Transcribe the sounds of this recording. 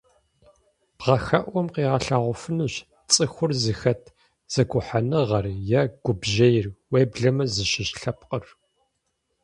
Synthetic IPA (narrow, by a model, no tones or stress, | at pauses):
b̥ʁɐxɐʔʷɔmqiːʁɐɬaːʁʷʊfɨnuɕ | t͡sʼɨxʷʊrzɨxɐtʰ | z̥ɐkʷʊħanɨʁɐrjaɡ̥ʷʊbʒɐjɪrweːbɮɐmɐzɨʃɪɕɬɐp̚qʼər